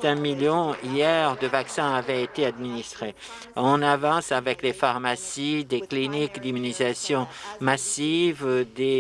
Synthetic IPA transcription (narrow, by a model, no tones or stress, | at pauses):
t̪ɛ̃miljɔ̃ijɛʁd̪əvaksɛ̃avɛet̪ead̪minist̪χe | ɔ̃navɑ̃savɛklefaʁmasid̪eklinikd̪imynizasjɔ̃masivd̪e